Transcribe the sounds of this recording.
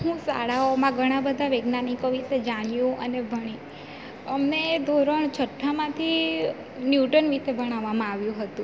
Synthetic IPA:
ɦũsa̰ɭaomãɡʱəɽ̃abəd̪ʱaʋeɡnanikoʋiʃed͡ʒaɽ̃jũʔənebʱəɽ̃ĩ | əmned̪ʱoɾəɳt͡ʃʰəʈʰːamãt̪ʰi | njuʈənʋiʃebəɽ̃aʋamãaʋjũɦət̪ũ

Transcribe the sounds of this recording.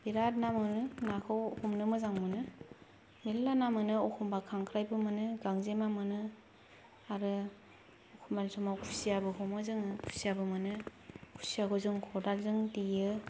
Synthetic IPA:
b̥iɾat̚namɯnɯnakʰawhumnɯmɯzaŋmɯnɯ | melːanamɯnɯɔkʰɔmbakʰaŋkʰɾajbɯmanɯɡaŋzemamɯnɯ | aɾɯ | ɔkʰumbalsɔmawkʰu̥sijabɯkʰɔmɯzɯŋkʰu̥sijabɯmɯnɯkʰu̥sijakʰozɯŋkʰɔdalzɯŋdijɯ

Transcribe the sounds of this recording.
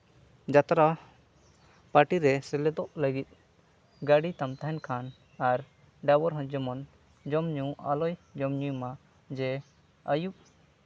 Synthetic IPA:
d͡ʒat̪ɾa | paʈiɾɛsɛlɛd̪ɔʔləɡit̪̚ | ɡaɽit̪amt̪aɦɛnkʰan | aɾ | ɖabɔɾɦɔ̃d͡ʒɔmɔn | d͡ʒɔmɲuʔa̰lɔjd͡ʒɔmɲujma | d͡ʒɛ | əjuʔ̚

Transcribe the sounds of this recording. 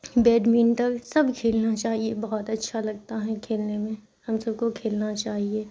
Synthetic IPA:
bɛːɖmiːnt̪ɐksɐbkʰeːlnat͡ʃaːɦiebɔɦɔt̪ɐtːʃʰalɐɡ̚t̪aɦɛkʰeːlnemẽ | hɐmsɐb̚kokʰeːlnat͡ʃaːɦieː

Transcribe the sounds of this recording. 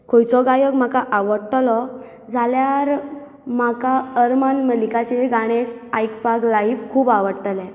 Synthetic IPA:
kʰojt͡sɔɡajəɡm̤akaʔaʋəɽʈlɔ | d͡zʱaljaɾ | makaəɾmanməlikat͡ɕeɡaɽ̃esajkpaɡlaifkʰuːbaʋəɽʈ̪əlɛ̃

